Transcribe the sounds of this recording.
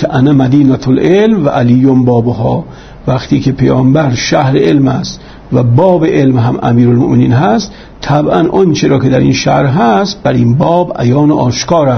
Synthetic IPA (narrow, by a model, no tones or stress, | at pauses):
kʰeʔænæmæd̪iːnæt̪ʰolʔelmvæʔæliːjombɒːboɦɒː | væxt̪ʰiːkʰepʰejɒːmbæɾʃæhɾeʔelmæst̪ | væbɒːbeʔelmɦæmʔæ̰miːɾolmoʔmeniːnɦæst̪ | t̪ʰæbʔænʔɒnt͡ʃʰeɾɒːkʰed̪æɾḭːnʃæhɾɦæst̪̚bæɾinbɒːbʔæ̰jɒːnoʔɒːʃkʰɒːɾæ